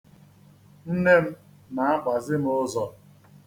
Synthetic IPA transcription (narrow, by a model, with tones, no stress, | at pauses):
n̩˦ne˦m̩˦ | na˨a˦k͡pʷa˨zɪ˦m̩˦ʊ˦zɔ˨